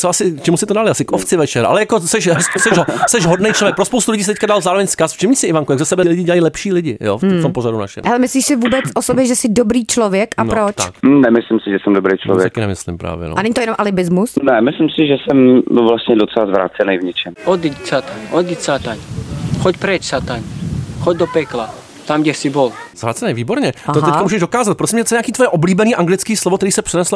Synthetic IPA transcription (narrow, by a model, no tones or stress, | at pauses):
t͡soʔasɪkt͡ʃɛmusɪt̪odalɪʔasɪkʔoft͡sɪvɛt͡ʃɛɾʔa̰lɛjakosɛʃɦsɛʒsɛʒɦodnejt͡ʃlovjɛk̚pɾospowst̪ulɪɟiːsɪt̪ɛc̚kadalzaːɾovɛɲskasft͡ʃɛmɲisɪʔɪvaŋkujaɡzasɛbɛlɪɟɪɟɛlajiːlɛpʃiːlɪɟɪjo̰ft̪omporaduna̰ʃɛ̰mhɛlɛmɪsliːʃsɪvuːbɛt͡sosobjɛʒɛsɪdobɾiːt͡ʃlovjɛkʔanpɾot͡ʃknɛmɪslɪmsɪʒɛsɛmdobɾejt͡ʃlo̰vjɛt̪akɪnɛmɪslɪ̰mpɾa̰ːvjɛ̰no̰ʔanɛɲit̪ojɛnomʔalɪbɪzmusnɛmɪslɪmsɪʒɛsɛmvlast̪ɲɛdot͡sɛlazvɾa̰ːt͡sɛnɛjvɲɛt͡ʃɛmʔod̪icsat̪aɲʔod̪isat̪aɲxocpɾɛt͡ʃsat̪aɲxoɟd̪opɛkla | t̪amɡɟɛsɪbolzvɾa̰ːt͡sɛnɛjviːboɾɲɛaot̪ɛckamuːʒɛʒdokaːzat̪̚pɾosɪmɲɛt̪t͡sɛɲakiːt̪vojɛʔobliːbɛniːʔaŋɡlɪt͡skiːslovokt̪ɛɾiːsɛpr̝̥ɛnɛsl